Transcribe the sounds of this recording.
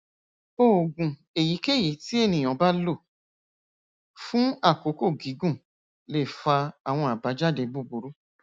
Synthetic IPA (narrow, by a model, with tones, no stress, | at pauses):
o˦˨ɡũ˨ | e˨ji˨˦ke˦˨ji˨˦ti˦e˦˨nĩ˨j̃ɔ̃˨˦ba˦lo˦˨ | fũ˦a˦˨ko˨˦ko˦˨ɡi˨˦ɡũ˦˨ | le˦˨fa˧a˨w̃ɔ̃˧a˨ba˨˦d͡ʒa˦˨de˧bu˦˨bu˨˦ɾu˦